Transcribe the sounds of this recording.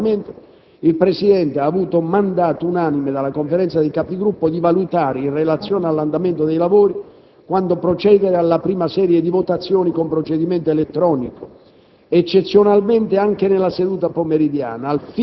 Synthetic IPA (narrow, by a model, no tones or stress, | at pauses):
ment̪o | ilpɾesid̪ɛnt̪eaːvuːt̪omand̪aːt̪ounanimed̪alːakoɱfeɾɛnt̪sad̪ekapd̪iɡɾupːod̪ivalut̪aːɾeinrelat̪sːjɔːnealːand̪ament̪od̪ejlavoːɾi | kwand̪opɾot͡ʃɛːd̪eɾealːapɾiːmasɛːɾjed̪ivot̪at̪sːjɔːnikompɾot͡ʃed̪iment̪oelet̪ːɾɔːniko | et͡ʃːet̪sːjonalment̪eaŋk̟enelːased̪uːt̪apomeɾid̪ja̰ːnaːlf